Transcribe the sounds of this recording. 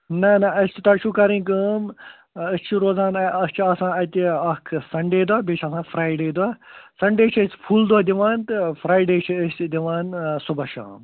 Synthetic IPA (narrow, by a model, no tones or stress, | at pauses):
nɐnaɐst͡ʃʰit̪ɐʃʰukɐɾĩːkəm | əst͡ʃʰiɾoːd͡zãːnɐst͡ʃʰiɐsãːɐt̪ʲiɐkʰsɐɳɖeːd̪aːbet͡ʃʰɐsãːfʰɾaːjɖeːd̪wasɐɳɖeːt͡ʃʰəspʰuːld̪waːd̪iʋaːnt̪ɨfɾaːjɖeːt͡ʃʰiəsd̪iʋaːnsubɐʃa̰ːm